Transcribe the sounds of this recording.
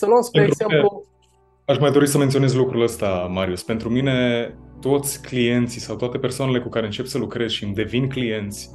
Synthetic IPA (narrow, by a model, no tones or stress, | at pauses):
səluəspenet̪zemelu | aʃmajd̪o̞ɾisəme̞nt̪sio̞ne̞zlukɾuləst̪amaɾiuspe̞nt̪ɾumine̞t̪o̞t̪sʲklije̞nt̪sisawt̪oat̪e̞persoanele̞kukaɾe̞ɨnt͡ʃe̞psəlukɾe̞z̥ʃimd̪e̞vinklije̞nt̪sʲ